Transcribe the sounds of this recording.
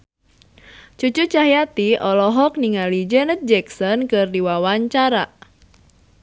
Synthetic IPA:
t͡ʃut͡ʃut͡ʃaɦjat̪iʔɔlɔɦɔk̚niŋalid͡ʒɛnət̪̚d͡ʒɛksɔnkɨrdiwawaɲt͡ʃaɾa

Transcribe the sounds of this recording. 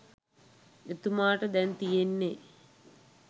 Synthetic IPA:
et̪umaːʈəd̪ɛnt̪ijenːe

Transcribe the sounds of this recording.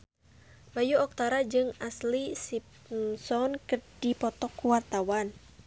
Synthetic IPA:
bajuɔk̚t̪aɾad͡ʒɨŋaslisip | msɔnkɨrd̥ipɔt̪ɔkːuwart̪awan

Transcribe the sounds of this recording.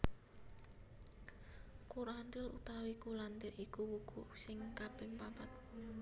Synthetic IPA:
kuɾand̪ɪlṵt̪awikulant̪ɪɾʔikuwuɡ̥usɪŋkab̥ɪŋpapat̪̚

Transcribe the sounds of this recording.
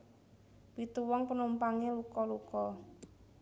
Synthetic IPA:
pit̪uwɔŋpənumpaŋelukɔlukɔ

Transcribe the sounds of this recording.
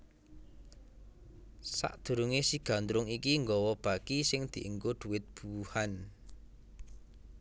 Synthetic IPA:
sa̰ʔd̪̥ṳɾuŋesiɡ̥a̤nt̪ɾʊŋikiŋɡɔwɔb̥a̤kisɪŋd̪̥i̤ʔəŋɡʊd̪̥ṳwɪt̪̚b̥uwuhan

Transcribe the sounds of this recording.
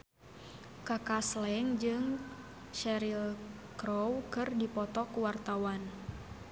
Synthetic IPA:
kakaslɛŋd͡ʒɨŋ | ʃɛɾilkɾɔwkɨrdipɔt̪ɔkuwart̪awan

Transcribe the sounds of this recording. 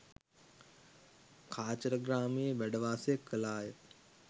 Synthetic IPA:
kʰaːt͡ʃəɾəɡraːmijəʋæɖəʋaːsəjəkʰːəlaːjə

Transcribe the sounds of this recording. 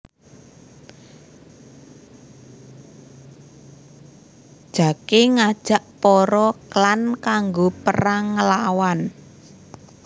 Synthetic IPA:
d̥ʒ̥ä̤keŋad̥ʒ̥a̤ʔpɔɾɔklankaŋɡopəraŋːəlawan

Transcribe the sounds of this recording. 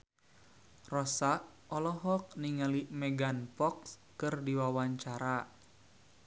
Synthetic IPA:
rɔsaʔ | ɔlɔɦɔk̚niŋalimɛɡanpɔks | kɨrdiwawaɲt͡ʃaɾa

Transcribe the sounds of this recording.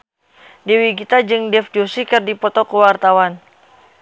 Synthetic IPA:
dewiɡit̪ad͡ʒɨŋdɛfd͡ʒusikɨrdipɔt̪ɔkuwart̪awan

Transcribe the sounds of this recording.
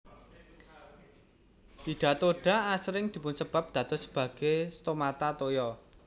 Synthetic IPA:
t̪iɖ̪̥a̤t̪oɖ̥a̤asɾɪŋd̪̥i̤pʊnsəb̥a̤p̚d̪̥ä̤t̪ɔsə̥b̥ä̤ɡ̥est̪omat̪at̪ojɔ

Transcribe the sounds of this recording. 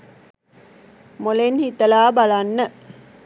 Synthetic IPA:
molenhit̪ɐlaːbalanːə

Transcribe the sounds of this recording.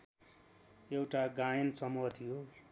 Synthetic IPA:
ewʈaɡajʌnsʌmuɦʌt̪ʰijo

